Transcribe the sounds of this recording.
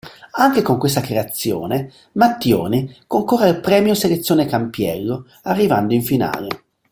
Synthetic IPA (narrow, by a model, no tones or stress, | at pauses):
aŋk̟ekoŋkwest̪akɾeat̪sːjo̰ːne | mat̪ːjo̰ːnikoŋkorːeilpɾɛːmjoselet̪sːjoːnekampjɛ̰lːo | arːivand̪oiɱfina̰ːle